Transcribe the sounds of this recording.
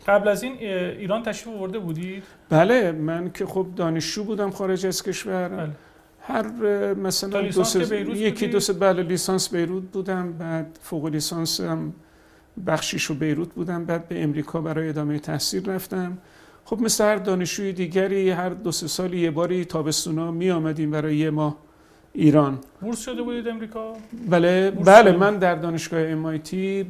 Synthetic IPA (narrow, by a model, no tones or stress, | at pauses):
ɢ̥æblæziːniːɾɒːnt̪ʰæʃɾifovoɾd̪ebuːd̪id̪ | b̥æle̞mæncʲʰe̞xob̚d̪ɒːne̞ʃd͡ʒuːbuːd̪æmxɒːɾe̞d͡ʒæz̥kʲʰe̞ʃvæɾ | hæɾmæsælænd̪oseɾujekʰid̪osbæːleliːsɒːnsbe̞jɾuːd̪̚buːd̪æmbæːd̪̥foɣoliːsɒːnsæm | bæxʃiːʃobe̞jɾuːt̪̚buːd̪æmbæːd̪̚beʔemɾiːkʰɒːbæɾɒːjeed̪ɒːmejet̪ʰæhsiːɾːæft̪æm | χo̞bmeslehæɾd̪ɒːne̞ʃd͡ʒuːjed̪iːɟæɾiːɦæɾd̪ose̞sɒːliːje̞bɒːɾiːt̪ʰɒːbe̞st̪uːnɒːmijɒːmæd̪iːmbæɾɒːjejemɒːh | iːɾɒːnbuɾʃod̪ebud̪id̪emɾiːkʰɒbæːlebælemænd̪æɾd̪ɒːneʃɡ̥ɒːheemɒjt̪ʰi